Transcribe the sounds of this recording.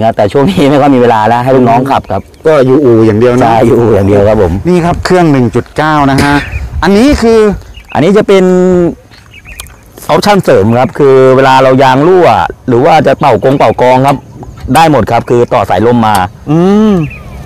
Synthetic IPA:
kʰa˦˥t̪ɛː˨˩t͡ɕʰu˥˩ŋniː˦˥ma˥˩jkʰɔ˥˩jmiː˧weː˧laː˧lɛ˦˥ʔɦa˥˩jt̪lu˦˥k̚nɔː˦˥ŋkʰa˨˩p̚kʰa˦˥p̚kɔː˥˩juː˨˩ʔuː˨˩jaː˨˩ŋdi˨˧əwna˦˥˩jjuː˨ʔuː˨˩jaː˨˩ŋdi˧əwkʰa˦˥p̚ʰːo˩˦mniː˥˩kʰa˦˥p̚kʰɯ˥˩əŋnɯ˨˩ŋt͡ɕu˨˩t̪̚kaː˥˩wna˦˥kʰa˦˥ʔʔa˧nːiː˦˥kʰɯː˧ʔa̰˧nːiː˦˥t͡ɕa˨˩pe˧n | ʔɔː˦˥p̚t͡ɕʰa˥˩nsɤː˩˦mkʰa˦˥p̚kʰɯː˧weː˧laː˧ɾa˧wjaː˧ŋluː˥˩a̰˨˩ɾɯː˩˦waː˥˩t͡ɕa˨˩pa˨˩wko˧ŋk͡pa˨˩wkɔː˧ŋkʰa˦˥p̚daː˥˩jmo˨˩t̪̚kʰa˦˥p̚kʰɯː˧t̪ɔː˨˩sa̰˩˦jlo˥˩˨mːaː˧ʔɯː˧m

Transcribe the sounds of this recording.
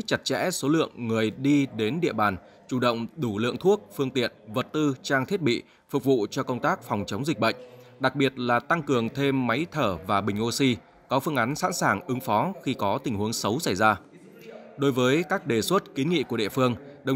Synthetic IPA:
t͡ɕa˧˩t̚t͡ɕɛ̰˧˥so˨˦lɨ̰˧˨əŋːɨ˨˩əjɗi˧ɗe˨˦nɗḭ˧˨əɓaː˨˩n | t͡ɕu˧˩ɗə̰˧˨wŋ͡mɗu˧˩lɨ̰˧˨əŋt̪ʰu˦˥ək̚fɨ˧əŋt̪ḭ˧˨ənvə˨˩t̚t̪ɨ˧t͡ɕaː˧ŋt̪ʰi˦˥ət̚ɓḭ˧˨ | fʊ˨˩k̚vṵ˧˨t͡ɕɔ˧kə˧wŋ͡mt̪aː˦˥k̚fa˨˩wŋ͡mt͡ɕə˨˦wŋ͡mzi˨˩k̟̚ɓə̰˧˨jŋ̟ɗa˨˩k̚ɓi˨˩ət̚laː˨˩t̪a˧ŋkɨ˨˩əŋt̪ʰe˧mːa˨˦jt̪ʰəː˧˩vaː˨˩ɓï˨˩ŋ̟ʔo˧si˧ | kɔ˨˦fɨ˧əŋʔa˨˦nsa̰ː˧˥nsaː˧˨˩ŋʔɨ˨˦ŋfɔ˨˦xi˧kɔ˨˦t̪ï˨˩ŋ̟hu˨˦əŋsə˨˦wsa˧˩jzaː˧ | ɗo˨˧˦jvəː˨˦jkaː˦˥k̚ɗe˨˩swə˦˥t̚ki˨˦nŋḭ˧˨ku˧˩əɗḭ˧˨əfɨ˧əŋɗə˨˩

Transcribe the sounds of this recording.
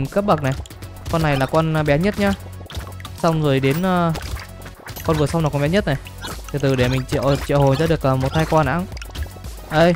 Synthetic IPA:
kə˦˥p̚ɓə˨˩k̚na˨˩j | kɔ˧nːa˨˩jlaː˨˩kɔ˧n˧ɓɛ˨˦ɲə˦˥t̚ɲaː˧ | sa˧wŋ͡mzo˨˩jɗe˨˦nʔəː˧ | kɔ˧nvɨ˨˩əsa˧wŋ͡mnaː˨˩kɔ˧mɓɛ˨˦ɲə˦˥t̚na˨˩j | t̪ʰi˨˩t̪ɨ˨˩ɗe˧˩mï˨˩ŋ̟t͡ɕḭ˧˨t͡ɕḭ˧˨ho˨˩jza̰ː˧˦ɗɨ˨˩ək̚ʔəː˨˩mo˨˩t̚t̪ʰaː˧jkwaː˧na̰ː˧˥˦ŋ | ʔə˧˩j

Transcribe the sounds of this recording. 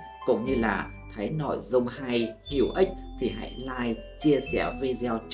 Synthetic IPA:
kʊ̰˧˥wŋ͡mɲɨ˧laː˨˩ | t̪ʰə˨˦jnɔ˧˩jzə˧wŋ͡mha˧jhḭ˧˩əwʔï˦˥k̟̚t̪ʰi˨˩ɦa̰˧˥jlaː˧jt͡ɕi˧əsɛ̰˧˩ve˧zɛ˧wt͡ɕ

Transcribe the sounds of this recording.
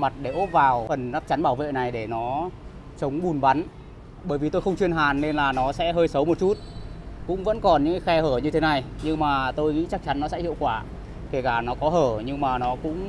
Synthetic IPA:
ma˨˩t̚ɗe˧˩ʔo˦˥p̚vaː˨˩wfə˨˩nza˦˥k̚t͡ɕa˨˦nɓaː˧˩wvḛ˧˨na˨˩jɗe˧˩nɔ˨˦ | t͡ɕə˨˦wŋ͡mɓu˨˩nɓa˨˦n | ɓəː˧˩jvi˨˩t̪o˧jxə˧wŋ͡mt͡ɕwi˧ənɦaː˨˩nːe˧nlaː˨˩nɔ˨˦sɛ̰˧˥ɦəː˧jsə˨˦wmo˨˩t̚t͡ɕu˦˥t̚kʊ̰˧˥ŋ͡mvə̰˧˥nkɔ˨˩nɲɨ̰˧˥ŋka˨˦xɛ˧həː˧˩ɲɨ˧t̪ʰe˨˦na˨˩jɲɨ˧ŋmaː˨˩t̪o˧jŋḭ˧˥t͡ɕa˦˥k̚t͡ɕa˨˦nːɔ˨˦sɛ̰˧˥hḭ˧˨əwkwaː˧˩ | ke˧˩kaː˧˩nɔ˨˦kɔ˨˦ɦəː˧˩ɲɨ˧ŋmaː˨˩nɔ˨˦kʊ̰˧˥ŋ͡m

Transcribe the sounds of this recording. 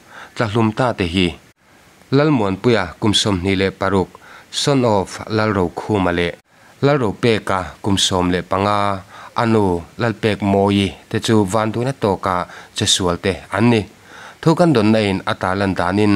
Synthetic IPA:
t͡ɬɐ˧ɬu˧˨mt̪aː˧˨t̪ɛ˨ɦi˧ | lɐ˦lmu˨ənpu˧ja˨ku˨msɔ˧mn̥i˨lɛ˧ʔpɐ˨ɾu˧˨k̚sɔ˦nɔ˨flɐ˦lro˨˧wkʰu˧˨ma˨lɛ˧ʔ | lɐ˦lro˨˧wpɛː˧ka˨ku˨msɔː˧mlɛ˨ʔpɐ˨˦ŋa˧ʔɐ˧nu˧lɐ˧lpɛ˧k̚mɔː˧ji˧t̪ɛ˧˨t͡su˦vaː˧˨nd̪k̚na˦t̪ɔː˧ka˧˨ʔt͡sɐ˨su˨əlt̪e˧ʔɐ˦nːi˧ | t̪ʰu˦kɐ˦ndɔ˨nːa˧˨ʔi˨nɐ˨t̪aː˨lɐ˧nd̪aː˨˦ni˧n

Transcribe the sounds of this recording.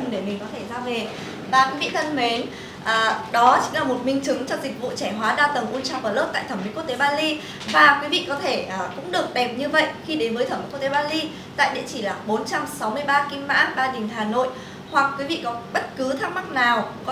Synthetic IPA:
ŋɗe˧˩mï˨˩ŋ̟kɔ˨˦t̪ʰe˧˩zaː˧ve˨˩ | vaː˨˩kwi˨˦vḭ˧˨t̪ʰə˧nhwe˨˦n | ʔəː˨˩ɗɔ˨˦t͡ɕï˨˦ŋ̟laː˨˩mo˨˩t̚mï˧ŋt͡ɕɨ˨˦ŋt͡ɕɔ˧zï˨˩k̚vṵ˧˨t͡ɕɛ˧˩ɦwaː˨˦ɗaː˧t̪ə˨˩ŋʔu˧nt͡ɕa̰˧˨wvaː˨˩lɨ˦˥k̚t̪a̰ː˧˨jt̪ʰə˧˩mḭ˨˦kk̚t̪e˨˦ɓaː˧li˧ | vaː˨˩kwi˨˦vḭ˧˨kɔ˨˦t̪ʰe˧˩ʔəː˨˩kʊ̰˧˥ŋ͡mɗɨ˨˩ək̚ɗɛ˨˩p̚ɲɨ˧və̰˧˨jʔxi˧ɗe˨˦nvəː˨˦t̪ʰə˧˩m˨˦˧t̪e˨˦ɓaː˧li˧ | t̪a̰ː˧˨jɗḭ˧˨ənt͡ɕi˧˩laː˨˩ɓo˨˦nt͡ɕa˧msa˨˦wmɨ˧əjɓaː˧ki˧mma̰ː˧˥ɓaː˧ɗï˨˩ŋɦaː˨˩no̰˧˨j | hwa˨˩k̚ːwi˨˦vḭ˧˨kɔ˨˦ɓə˦˥t̚kɨ˨˦t̪ʰaː˦˥k̚ma˦˥k̚naː˨˩wkɔ˨˦

